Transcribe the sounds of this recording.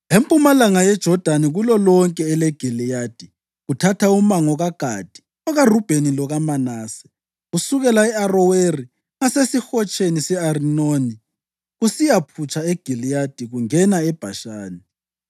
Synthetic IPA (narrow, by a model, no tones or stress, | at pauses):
empʼumalaŋajɛd̥ʒ̥ʱɔd̥ʱaniɣulɔlɔŋkʼɛːlɛɡ̥ʱilijaːd̥ʱi | ɣutʰatʰaumaŋɔɣaɡ̥ʱa̰d̥ʱi̥ | ɔɣarub̥ʱenilɔɣamanaːsɛ̥ | ɣusuɣɛlaɛarɔweri | ŋasesixɔt͡ʃʼenisɛarinoːni | ɣusijapʰut͡ʃʰʼaeɡ̥ʱilijad̥ʱiɣuŋɛnaɛb̥ʱaʃaːni